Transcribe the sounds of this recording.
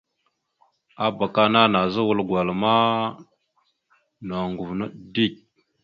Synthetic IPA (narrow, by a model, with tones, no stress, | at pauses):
a˦ba˨ka˦na˦na˨zə˦wu˨lɡʷa˨lma˦ | na˨ŋɡu˨vnə˦di˦˨k̚